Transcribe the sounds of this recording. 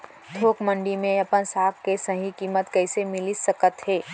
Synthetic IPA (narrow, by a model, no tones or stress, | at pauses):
t̪ʰoːkmə̃ɳɖimẽɐpənsaːkkesəɦikiːmət̪kɛːsemɪlisəkət̪ɦeː